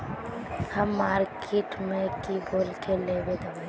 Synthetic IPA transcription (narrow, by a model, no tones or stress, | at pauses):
hɐmːaːɾkʰeːʈmẽkiboːlkeleːbed̪a